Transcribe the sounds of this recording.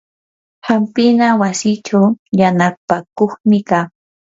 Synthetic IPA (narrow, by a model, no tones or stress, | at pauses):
hampɪnawasɪt͡ʃawjanapakoχmɪkaː